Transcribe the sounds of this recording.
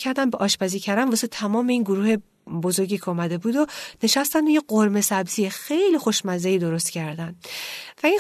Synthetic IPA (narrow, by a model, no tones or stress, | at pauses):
æɾd̪æmbeʔɒːʃbæziːcʰæɾænvuset̪ʰæmɒːmeiːnɡoɾuːhe̞ | bozo̞ɾɟʲiːcʰumæd̪e̞buːd̪one̞ʃæst̪ænd̪ojeɢoɾme̞sæbziːexejlixo̞ʃmæzeiːd̪o̞ɾost̪cʰæɾd̪ænd̪væin